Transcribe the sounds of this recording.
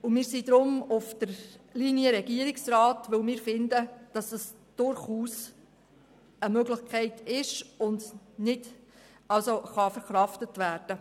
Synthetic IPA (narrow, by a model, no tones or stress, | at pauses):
ʊmɪːɾsidɾʊmʊfd̥əɾlinijəɾɛɡiəɾɪksrɑːtʋɵlmɪːɾfɪndəd̥ɑsɑs | d̥ʊɾχuːs | əmøɡlɪχkʰɛɪtɪʃʊndnɪd̥ | ɑlsoχɑfəɾχɾɑftətʋæːɾd̥ə